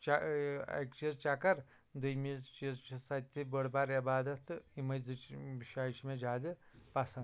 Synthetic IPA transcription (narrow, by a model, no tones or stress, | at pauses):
t͡ʃaɐ̰kt͡ʃizt͡ʃakɐɾ | d̪ujmit͡ʃizt͡ʃʰisɐt̪ʲʰːibəɽbaɾibaːd̪ɐt̪imɐjzɨʃaːʃmed͡ʒaːd̪ipasɐn